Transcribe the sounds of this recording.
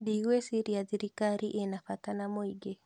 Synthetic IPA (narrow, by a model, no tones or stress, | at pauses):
diwesiɾiaðiɾikaɾiʔenafatanamoiɡe